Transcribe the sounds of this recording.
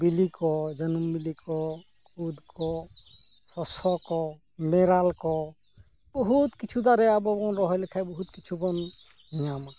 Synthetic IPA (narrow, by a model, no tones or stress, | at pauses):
bilikɔd͡ʒənɔmbilikɔkud̪kʰɔ | sɔsɔkɔ | mɛɾalkɔ | bɔɦut̪kit͡ʃʰud̪aɾɛabɔbɔnɾɔɦɔjlɛkʰajbɔɦut̪kit͡ʃʰubɔn | iɲama